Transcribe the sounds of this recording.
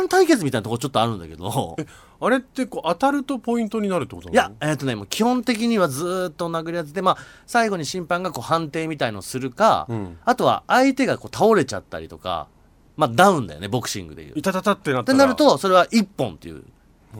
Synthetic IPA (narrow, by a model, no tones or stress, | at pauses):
nt̪aike̞t͡sɨmʲit̪ainat̪ooɾot͡ɕot̪ːo̞aɾɯ̟̃nd̪a̰ke̞̰d̪o̞̰e | aɾe̞t̪ːe̞koːʔat̪aɾɯ̟t̪o̞po̞ĩnt̪o̞ɲ̟inaɾɯ̟t̪ːekotojaeːt̪ːo̞ne̞moːkʲihõ̞nt̪e̞k̬ʲiɲ̟iβad͡zɨːt̪ːonaɡɯ̟ɾʲiazet̪e̞masaiɡo̞ɲ̟iɕĩmpãŋɡako̞ːhãnt̪e̞ːmʲit̪ainosɨɾɯ̟ka̰at̪o̞βa̰ːit̪e̞ɡako̞ːt̪ʰao̞ɾe̞t͡ɕa̰t̪ːa̰ɾʲḭt̪o̞ka̰ | mad̪ãɯ̟̃nd̪a̰jo̞̰ne̞bo̞kɯ̥ɕḭ̃ŋɡɯ̟d̪ḛjɯ̰ːt̪at̪at̪at̪ːenat̪enaɾɯ̟t̪o̞so̞ɾe̞βaʔipːõ̞nt̪ːe̞̰jɯ̰